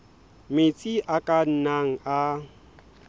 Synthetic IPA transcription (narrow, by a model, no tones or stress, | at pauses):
met͡sʼiʔakʼan̩naŋ̩a